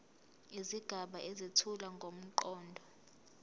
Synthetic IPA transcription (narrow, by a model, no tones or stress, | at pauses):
iziɡ̥ʱaɓaʔezitʰulaŋɡʱom̩ǃɔːndʱɔ